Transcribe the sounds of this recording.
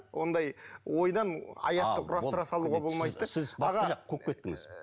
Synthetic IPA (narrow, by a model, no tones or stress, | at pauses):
wo̞nd̪ɑjwo̞jd̪ɑnɑ̰jɑt̪ːəqɾɑsɾɑsɑlˠuʁɑbo̞lˠmɑjt̪ːəsɪzbɑʁɑɑqʰːokʲet̪ːɪŋɪ̰z̥